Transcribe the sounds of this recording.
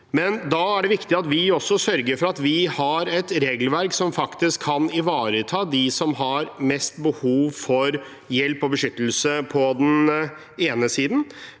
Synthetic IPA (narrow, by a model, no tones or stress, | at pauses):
mɛnd̪ɑæɖɛʋɪkt̪ɪɑt̪ʋɪɔsːɔsœɾɡəɾfɔɾɑt̪ʋɪhɑɾɛt̪ɾeːɡl̩ʋæɾksɔmfɑkt̪ɪskʰːɑnɪʋɑːɾət̪ʰɑːd̪ɪsɔmɦɑɾmɛst̪bəhuːʋfɔɾ | jɛlpɔbəʂʏt̪l̩səpʰɔd̪ɛn | eːnəsiːd̪n̩